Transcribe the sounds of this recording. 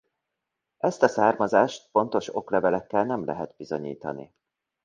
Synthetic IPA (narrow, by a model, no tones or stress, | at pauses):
ʔɛst̪ɒsaːrmɒzaːʃt̪fo̞nt̪o̞ʃo̞klɛvɛlɛkːɛlnɛmlɛ̰ɦɛt̪̚bizoɲḭːt̪ɒ̰nḭ